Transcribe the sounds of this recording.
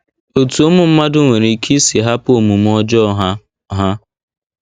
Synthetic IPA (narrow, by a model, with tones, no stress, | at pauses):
o˨tu˨o˦mʊ˦m̩˦ma˦dʊ˦ŋʷe˨ɾe˨i˨kʰi˦si˨ɦa˦po˨mu˨m̩˦ɔ˦d͡ʒɔ˦ɦa˦ | ɦa˦